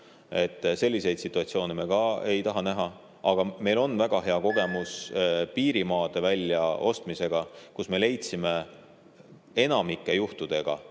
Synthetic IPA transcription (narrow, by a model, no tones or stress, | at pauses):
e̞t̪ːˑse̞lːise̞jd̪̥sit̪ˑːuɑt̪sio̞ːnemeɡ̥ɑe̞jt̪ɑɦɑnæɦɑ | ɑɡ̥ɑme̞jlo̞nːvæɡ̥ɑɦe̞ɑko̞ɡ̥e̞muspiːɾimɑːd̪̥e̞vælʲjɑo̞st̪mise̞ɡ̥ɑkusme̞le̞jt̪sime̞ | e̞nɑmikːe̞juht̪ud̪̥e̞ɡ̥ɑ̰